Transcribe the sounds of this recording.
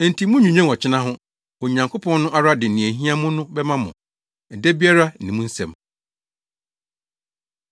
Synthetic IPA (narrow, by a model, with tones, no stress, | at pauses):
n̩˨tʰi˨mũ˦ɲᶣũ˨ɲɛ̃˦˨ɔ˨t͡ɕʰɪ˦nã˦ɦʊ̃˦ | ɔ˨ɲã˨ŋkʰo˦pʰɔ̃˦nːʊ̃˦ʔa˦ɾa˦dɪ˨nĩ˨æ˨ɦĩ˦a˦mʊ̃˦nʊ̃˦bɛ˦mã˦mʊ̰̃˨ | n̩˨dɛ˦bi˦a˦ɾa˦n̩˨nĩ˨mũ˦n̩˦sɛ̰̃˨m